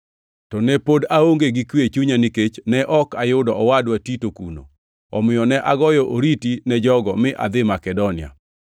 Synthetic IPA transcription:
tɔnɛpodaoŋɡeɡikwet͡ʃuɲaniket͡ʃnɛʔɔkajʊdɔɔwadwatitokuno̰ | ɔmɪjɔnɛʔaɡɔjɔʔoɾitinɛd͡ʒɔɡɔmɪʔa̰d̪ɪmakɛdɔnɪa̰

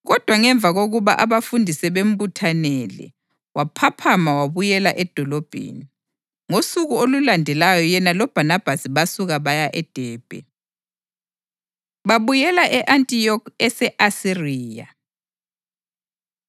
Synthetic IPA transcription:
ɣɔd̥ʱwaŋɛɱb̪vʱaɣoɣuβa̰ʔaβafundʱisɛβem̩butʰanɛlɛ̰ | wapʰapʰamawaβujɛlaʔɛd̥ʱɔlɔb̥ʱḛni | ŋosuɣuolulandʱɛlajɔjɛnalɔb̥ʱanab̥ʱasiβasuɣaβajaʔɛd̥ʱɛːb̥ʱɛ̰ | βaβujɛlaʔɛʔantʼijɔkʰɛsɛʔasiriːja̰

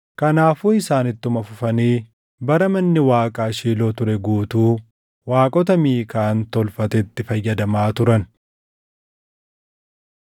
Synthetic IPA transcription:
kɐnaːfuːɪsaːnɪt̪ːʊmɐfʊfɐniː | bɐɾɐmɐnːɪwaːkʼaːʃiːloːt̪ʊɾɛɡuːt̪uː | waːkʼɔt̪ɐmiːkaːnt̪ɔlfɐt̪ɛt̪ːɪfɐjːɐd̪ɐmaːt̪ʊɾɐn

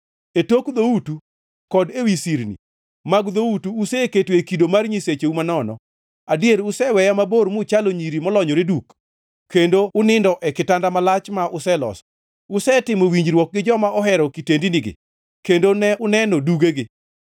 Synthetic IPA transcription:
etokd̪outu | kɔdewisiɾnḭ | maɡd̪outuːseketwekidomarɲiset͡ʃeumanɔnɔ̰ | adjeɾʊsɛwɛjamaboɾmʊt͡ʃaloɲiɾimɔlɔɲɔɾeduk | kʰːendoʊnɪndɔʔɛkɪtandamalat͡ʃmaʔʊsɛlɔ̰sɔ̥ | ʊsɛtɪmowiɲd͡ʒɾwɔk̚ɡɪd͡ʒɔmaɔɦɛɾɔkitendiniɡɪ̰ | kendonɛʊnɛnoduɡeɡɪ

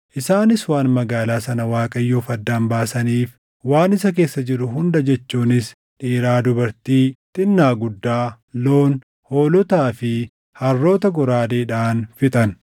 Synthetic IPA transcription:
ʔɪsaːnɪswaːnmɐɡaːlaːsɐnɐwaːkʼɐjːoːfɐd̪ːaːnbaːsɐniːf | waːnɪsɐk̬e̞ːsːɐd͡ʒɪɾʊɦʊnd̪ɐd͡ʒɛt͡ʃːuːnɪs | ᶑiːɾaːd̪ʊbɐɾt̪iːt̪ʼɪnːaːɡʊd̪ːaː | lo̞ːn | ho̞ːlɔt̪aːfɪ | hɐrːo̞ːt̪ɐɡɔɾaːd̪eːᶑaːnfɪt̪ʼɐn

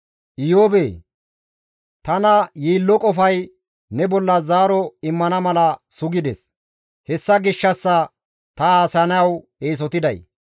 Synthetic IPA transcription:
ʔɪjoːbeː | t̪ɐnɐjiːlːɔkʼɔfɐj | nɛbɔlːɐzaːɾɔɪmːɐnɐmɐlɐsʊɡɪd̪ɛ̰s | hɛsːɐɡɪʃːɐsːɐ | t̪ɐaːsɐnɐjɐw | eːs̬ɔt̪ɪd̪ɐj

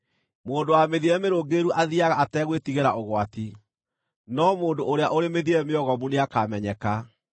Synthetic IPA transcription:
moːndowameðiɛmeɾoɡeɾuʔaðiaɣaatɛːɣwetiɣeɾaoɣwati | nɔmoːndoʔoɾeaʔoɾemeðiɛmeɔɣɔmuneakamɛɲɛka

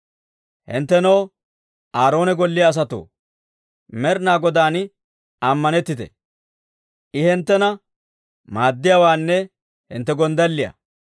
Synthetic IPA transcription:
hɪ̰nt̪ːɛnɐw | aːɾo̞ːnɛɡɔlːɪjaːs̬ɐt̪o̰ː | mɛɾnaːɡɔd̪aːn | ɐmːɐnɛt̪ːɪt̪ɛ̰ | ʔɪhɛnt̪ːɛnɐ | maːd̪ːɪjaːwaːnːɛ | hɪnt̪ːɛɡɔnd̪ɐlːɪjɐ̰

